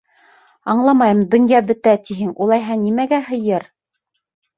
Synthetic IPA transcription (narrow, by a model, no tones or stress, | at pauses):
ɑɴlˠɑmɑjɤ̆md̪ŏnjɑbɵ̆t̪æt̪iɦɘŋulˠɑjɦɑnimæɡæɦɤ̆jɤɾ